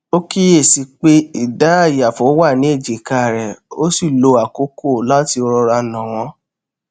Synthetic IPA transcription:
o˦ki˦e˦˨si˧k͡pe˦i˨da˨˦a˦˨ja˨fo˨˦wa˦˨nĩ˨˦e˦˨d͡ʒi˨ka˧˨ɾɛ˨o˦si˦˨lo˧a˨ko˨˦ko˦˨la˦ti˧o˧ɾɔ˧ɾa˧˨nã˨w̃ɔ̃˨˦

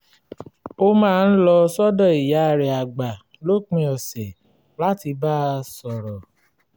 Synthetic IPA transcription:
o˦mãː˦˧n̩˦lɔ˧sɔ˦dɔ˦˨i˨ja˨˦˧ɾɛ˨a˨ɡ͡ba˨ | lo˦˨k͡pĩ˧ɔ˨sɛ˨ | la˦ti˧ba˦˧sɔ˨ɾɔ˨

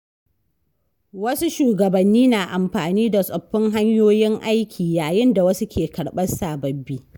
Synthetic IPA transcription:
wɐ˦su˦ʃuː˨ɡɐ˨bɐ˨nːiː˦naː˨ʔa˨mɸaː˨niː˦da˨sʼɐ˨ɸːɪ˦ŋɦa˦ɲjoː˦jɪ˦ŋʔa˦jkʲʰiː˨jaː˨jɪ˦nda˨wɐ˦su˦kʲʰeː˨kɐ˨ɽɓɐ˦saː˨bɐ˨bːiː˦

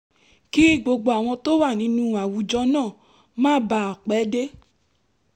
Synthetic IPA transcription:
ki˦ɡ͡bo˧ɡ͡bo˧a˨w̃ɔ̃˧to˦wa˦˨nĩ˨˦nũ˦a˨wu˨˧d͡ʒɔ˧˦nãː˦˨ | mãː˦ba˧˨k͡pɛ˨˦de˦

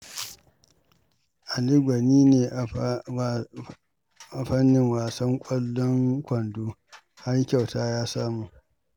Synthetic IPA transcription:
ʔa˨lɪ˦ɡʷɐ˨niː˦neː˨ʔ | a˨ɸɐ˦nːɪ˨ŋwaː˨sɐ˦ŋkʷʼɐ˦lːɔ˦ŋkʷɐ˨nduː˦ | ha˦ɾkʲa˨wtaː˦jaː˦saː˦muː˨ʔ

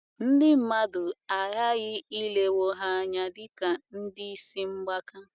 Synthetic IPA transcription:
n̩˦dɪ˦m̩˦ma˦dʊ˨a˨ɦa˦ɣɪ˦i˦le˦wo˦ɦa˦ɲa˦dɪ˦ka˨n̩˦dɪ˦i˦si˦ŋ͡m̩˦ɡ͡ba˦ka˦

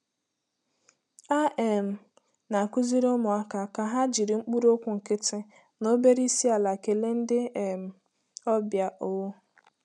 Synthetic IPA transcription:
a˦ʔe˨m̩˨ | na˨ku˦zi˦ɾʊ˦mʊ˨a˦ka˨ka˨ɦa˦d͡ʒi˨ɾi˨ŋ͡m̩˦k͡pu˦ɾo˦kʷʊ˨ŋ̩˨kɪ˦tɪ˦ | no˦be˦ɾi˦si˦a˨la˨ke˨le˦n̩˦dɪ˦e˨m̩˨ | ɔ˦bja˨ʔo˨˦

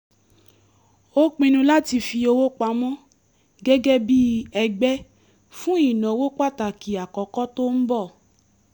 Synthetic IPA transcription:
o˦k͡pĩ˧nũ˧la˦ti˧fi˧o˧wo˦k͡pa˧˦mɔ̃˦ | ɡɛ˦ɡɛ˦bi˦ɛ˧ɡ͡bɛ˦ | fũ˦i˦˨nɔ̃˨˦wo˦k͡pa˦˨ta˨ki˨a˨kɔ˨˦kɔ˦to˦n̩˦bɔ˦˨

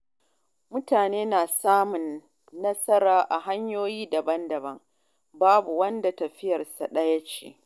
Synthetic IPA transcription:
mʊ˦taː˨neː˦naː˨saː˦mʊ˨nː | ɐ˦sɐ˦ɾaː˨ʔa˨ɦa˦ɲjoː˦jiː˦dɐ˨bɐ˦ndɐ˨bɐ˦ŋ | baː˦bu˨wɐ˦nda˨tɐ˨ɸɪ˦jɐ˨rsa˨ɗɐ˦jɐ˦t͡ʃḛː˦

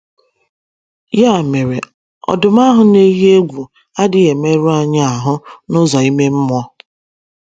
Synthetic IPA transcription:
ja˦˨me˨ɾe˨ | ɔ̰˨dʊ˨m˦a˦ɦʊ˨ne˦ji˦e˦ɡʷu˨ | a˦dɪ˨ɣe˨me˦ɾu˦a˨ɲa˦a˨ɦʊ˦nʊ˦zɔ˨i˦me˦m̩˦mʊ˦ɔ˦

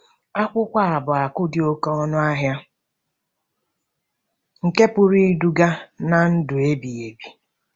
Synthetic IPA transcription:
a˦kʷʊ˦kʷa˦a˨bʊ˨a˨kʊ˦dɪ˨o˦kɔ˦ɔ˦nʊ˦a˦ɦja˦ | ŋ̩˨ke˦pʊ˦ɾi˦du˦ɡa˦na˨n̩˦dʊ˨e˦bi˨e˨bi˨

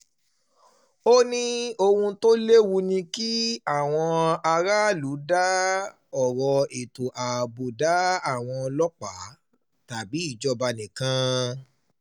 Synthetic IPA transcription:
o˦nĩ˦o˧hũ˧to˦le˦wu˧nĩ˧ki˦a˦˨w̃ɔ̃˧a˧ɾa˦lu˨˦da˦ | ɔ˨ɾɔ˧e˨tu˨ʔa˨bo˨da˨˦a˦˨w̃ɔ̃˧lɔ˦k͡pa˨˦ | ta˨bi˨˦i˦˨d͡ʒɔ˧ba˧nĩ˨kã˧

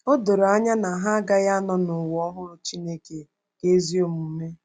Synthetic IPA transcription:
o˦do˨ɾa˦ɲa˦na˨ɦa˦a˦ɡa˦ja˦nɔ˨nʊ˨wɔ˦ɦʊ˦ɾʊ˦t͡ʃi˦ne˦ke˨ | ke˦zi˦o˨mu˨me˦

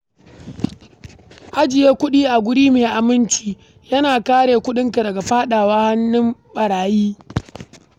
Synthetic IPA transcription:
ʔa˦d͡ʒɪ˨jeː˦kʷʊ˦ɗiː˦ʔa˨ɡʷʊ˦ɽiː˦meː˨ʔa˨mɪ˦nt͡ʃiː˦ | jɐ˦naː˨kaː˦ɽeː˨kʷʊ˦ɗɪ˦ŋka˨dɐ˨ɡa˨ɸaː˦ɗaː˨waː˦ha˦nːɪ˦mɓɐ˨ɽaː˨jiː˦

